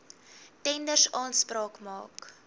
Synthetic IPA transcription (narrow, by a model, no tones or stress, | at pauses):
tɛndərsɑːnsprɑːkmɑ̰ːk